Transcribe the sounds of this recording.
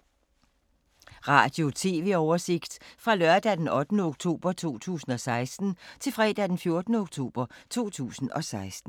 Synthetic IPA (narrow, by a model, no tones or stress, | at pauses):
ʁɑ̰̈ːd̥jo̝t͡sʰe̝̰ːʋe̝ɒʊɐse̝ɡ̥d̥fʁɑ̈lɶɐd̥æd̥enɒ̽d̥nəoɡ̥̚t͡sʰo̝̰ːb̥ɐt͡sʰo̝̰ːt͡sʰṵːsn̩ɒ̽sɑ̈ɪsd̥n̩t͡sʰe̝lfʁɛːd̥æd̥enfjo̝ɐd̥nəoɡ̥t͡sʰo̝̰ːb̥ɐt͡sʰo̝̰ːt͡sʰṵːsn̩ɒ̽sɑ̈ɪsd̥n̩